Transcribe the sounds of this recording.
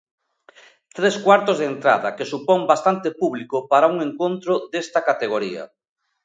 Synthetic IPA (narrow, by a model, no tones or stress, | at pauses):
t̪ɾeskwaɾt̪ozðent̪ɾa̰ðɐkesupɔŋbast̪ant̪epuβlikopaɾauŋeŋkont̪ɾʊd̪est̪akat̪eɣ̞oɾiɐ̰